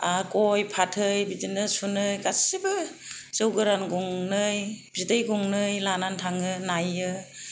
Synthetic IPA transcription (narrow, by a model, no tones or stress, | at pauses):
akojpʰatʰɯjbidinɯsunɯjkasibɯzɯwɡɯɾanɡɔŋnɯjbzidɯjɡɔŋnɯjlanantʰaŋɯnajɯ